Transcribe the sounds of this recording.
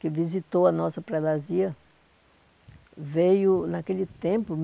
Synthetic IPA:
kɪvizit̪owɐnɔsɐpɾɛd̪aziɐ | vejʊnakelɪt̪ẽpʊm

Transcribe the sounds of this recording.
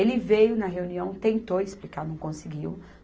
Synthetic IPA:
elɪvejʊnɐɦeuniɐ̃w̃t̪ẽnt̪owɪsplikaɾnɐ̃w̃kõsɪɡiw

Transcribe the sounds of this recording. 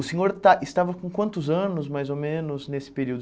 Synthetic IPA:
ʊsẽɲoɾt̪aʔɪst̪avɐkõkwɐ̃nt̪ʊzɐ̃nʊzmajzomẽnʊznesɪ̥peɾiwd̪ʊ

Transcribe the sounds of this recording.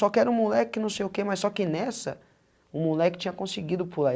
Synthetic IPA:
ɔkɪɛɾɐũmulɛkɪnɐ̃w̃sejʊkemɐsːɔkɪnɛsɐ̰ | ʊmulɛkɪ̥t͡ʃĩɲɐkõsɪɡid̪ʊpula

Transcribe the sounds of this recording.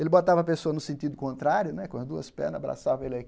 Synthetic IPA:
elɪbot̪avɐpesoɐnʊsẽnt̪id̪ʊkõnt̪ɾaɾjʊnɛkõɐzd̪uɐ̰spɛ̰nɐabɾa̰savɐelak

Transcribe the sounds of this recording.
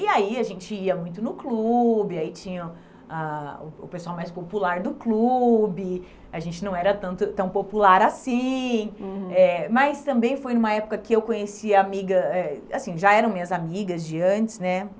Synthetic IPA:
ɪaiaʒẽnt͡ʃɪiɐmũj̃t̪̬ʊnʊklubɪait͡ʃĩɲɐ | aʊ̰ʊ̰pesuawmajspopulaɾd̪ʊklubɪ | aʒẽnt͡ʃɪnɐ̃w̃ɛɾɐt̪ɐ̃nt̪ʊt̪ɐ̃w̃populaɾasĩ | ɛmɐjst̪ɐ̃mbẽj̃fojnũmɐɛpʊ̥kɐkɪewkõɲesiɐamiɡɐɛasĩʒaɛɾɐ̃w̃mĩɲɐzamiɡɐzd͡ʒɪɐ̃nt͡ʃɪ̥znɛ

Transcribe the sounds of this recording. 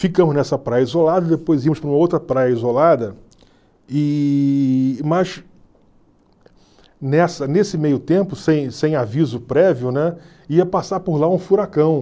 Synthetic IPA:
fikɐ̃mʊznɛsɐpɾajɐizolad̪ɐd̪epojzimʊʃpɾũmɐowt̪ɾɐpɾajɐizolad̪ɐ | ɪ | mɐs | nɛsɐnesɪmejʊt̪ẽmpʊsẽj̃sẽj̃avizʊpɾɛviʊnɛ | iɐpasaɾpʊɾlaũfuɾakɐ̃w̃

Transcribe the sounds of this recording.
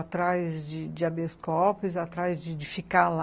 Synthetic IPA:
t̪ɾajzd͡ʒɪd͡ʒɪabeskɔpɪzat̪ɾajzd͡ʒɪd͡ʒɪfikal

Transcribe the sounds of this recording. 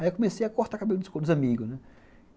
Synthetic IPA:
aikõmesejɐkoɾt̪akabelʊd̪ʊskod̪ʊzãmiɡʊnɛ

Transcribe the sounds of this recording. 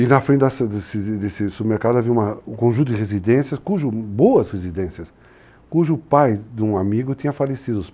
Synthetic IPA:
ɪnɐfɾẽnd̪ɐsɐd̪esɪd̪esɪsubɪmeɾkad̪ʊaviɐumɐ̃kõʒũt̪̬ʊd̪ɪʁezid̪ẽsjɐskuʒʊboɐshezid̪ẽsjɐs | kuʒʊpajd̪ũamiɡʊt̪ĩɲɐfalesid̪ʊʊs

